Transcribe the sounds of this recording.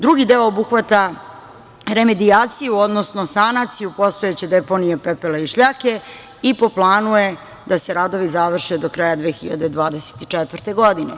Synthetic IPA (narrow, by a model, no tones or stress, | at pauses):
d̪ɾuɡid̪eoobuxʋat̪a | ɾe̞me̞d̪iaːt̪sijuo̞d̪nosnosanat̪sijupo̞st̪o̞jet͡ɕed̪epo̞nijepepelaiʃʎaːke̞ | ipo̞plˠaːnuje̞ | d̪aseɾad̪o̞ʋizaʋr̩ʃed̪okɾaːjad̪ʋeːxiʎa̰d̪e̞d̪ʋaːd̪ese̥t̪it͡ʃɛt̪ʋər̩t̪e̞ɡo̞d̪inḛ